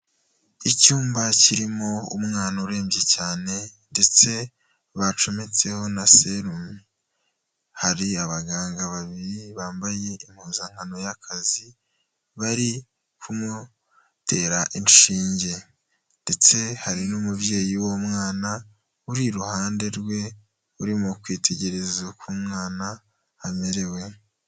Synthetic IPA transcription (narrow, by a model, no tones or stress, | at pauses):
icuːmbaciɾimo̞ṵmŋaːnauɾe̞ːmbje̞caːne̞nde̞t͡se̞ | βat͡ʃomet͡se̞ho̞naseɾumi | haɾiaβaɡaːŋɡaβaβiɾiβaːmbaje̞imhuːzaŋ̥ano̞jakʰazi | βaɾi | kʰumu | tʰe̞ɾaʔinʃiːɲɟe̞ | nde̞t͡se̞haɾinumuvje̞ːjiwo̞mŋaːna | uɾiɾuhaːnde̞ɾɡwe̞ | uɾimukwiːtʰe̞ɟe̞ɾe̞zukumŋaːna | ameɾe̞we̞